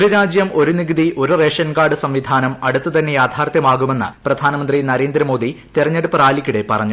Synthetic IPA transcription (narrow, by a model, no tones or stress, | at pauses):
ɾiɾaːd͡ʑjɐmo̞ɾuniɡɐðiʔo̞ɾure̞ːʂɐnkaːɖɨsɐmʋid̪ʱaːnɐmɐɽut̪ːɨt̪ɐnːe̞jaːd̪ʱʰaːrt̪jɐmaːɣume̞nːɨ̰prɐd̪ʱaːnɐmɐnd̪rinɐɾe̞ːnd̪ɾɐmo̞ːd̪ʱit̪irɐɲːeɽupːɐraːlikʲːuɽe̞pɐrɐɲːu